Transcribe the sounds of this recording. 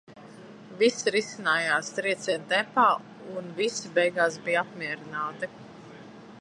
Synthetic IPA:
visɾisinaːjaːst̪ɾiɛt̪siɛnt̪ɛmpaː | unvisibɛjɡaːs̬bijapmʲiɛɾinaːt̪i

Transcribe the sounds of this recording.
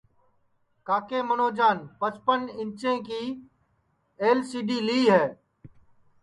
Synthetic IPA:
kaːkeːmənoːd͡ʒaːnpət͡ʃpənɪ̃ɲt͡ʃẽːkiː | eːlsiːɖiːliiːɦɛː

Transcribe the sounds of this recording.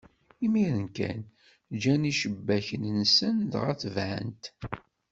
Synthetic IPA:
imiɾənkæ̰n | d͡ʒæniʃəbːæçənnsənd̪ʁæ̰θvʕə̰nt̪

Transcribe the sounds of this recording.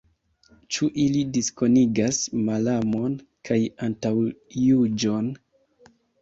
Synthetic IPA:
t͡ʃuʔilidisko̞niɡasmalamo̞n | kʰajantawjud͡ʒo̞n

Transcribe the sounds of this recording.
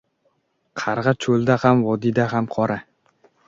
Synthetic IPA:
qʰɑɾʁɑt͡ʃʰolˠd̪ahamvɒd̪ɪd̪aɦamqʰɒɾa

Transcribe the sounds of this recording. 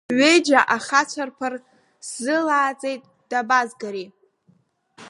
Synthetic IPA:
ɥejd͡ʒaʔaχat͡ɕʷʰarpʰar | zɨlaːt͡sʼejtʼ | d̥abazɡaɾi

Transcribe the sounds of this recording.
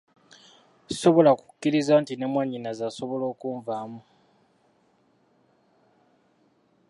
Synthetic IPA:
so̞βo̞laku̥kːiɾizaːntinemwaɲinazaso̞βo̞lo̞ːkuːɱvamu

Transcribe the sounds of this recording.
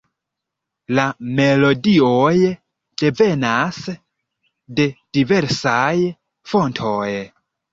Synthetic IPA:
lame̞lo̞dioj | d̥e̞ve̞nas | de̞d̥ive̞ɾsaj | fo̞ntʰoj

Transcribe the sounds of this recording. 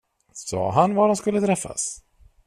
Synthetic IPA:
sɔ̰ːɦanvad̪amskɵlːət̪ʰɾɛfːa̰s

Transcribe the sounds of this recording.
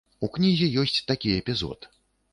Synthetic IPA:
uknʲizʲɛjɔsʲt͡sʲt̪akʲiɛpʲizɔ̰t̪

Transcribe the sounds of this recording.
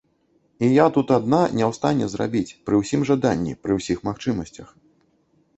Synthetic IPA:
ijat̪ut̪ad̪nanʲɛwst̪anʲɛzra̰bʲit͡sʲpɾɨwsʲimʐad̪anʲːḭpɾɨwsʲixmaxt͡ʂɨmɐsʲt͡sʲɐx

